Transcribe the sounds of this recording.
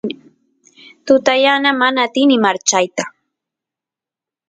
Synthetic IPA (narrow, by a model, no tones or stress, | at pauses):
t̪ʊt̪ajanamanaːt̪ɪnɪmaɾt͡ʃajt̪a